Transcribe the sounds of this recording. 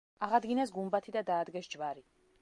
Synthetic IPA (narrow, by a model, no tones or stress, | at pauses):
aʁad̪ɡinas̬ɡumbat̪ʰid̪ad̪aːd̪ɡɛsd͡ʒvaɾi